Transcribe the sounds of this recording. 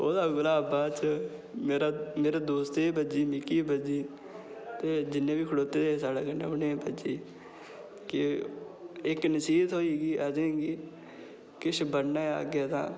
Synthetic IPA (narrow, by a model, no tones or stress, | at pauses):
o̰ːd̪aːɡʊlaːəbaːt͡ʃmeːɾaːmeːɾaːd̪oːst̪ːiːbəd͡ʒiːmɪkiːbəd͡ʒiː | t̪eːd͡ʒɪnːẽːbiːkʰəɽoːt̪eːd̪eːsaːɽaːkənḛːnẽːbəd͡ʒiː | kɪ | ɪknəsiːt̪ɦoːiːɡiːʔəd͡ʒẽːɡiː | kɪʃbəɽna̰ːə̰ɡeːt̪ã̰ː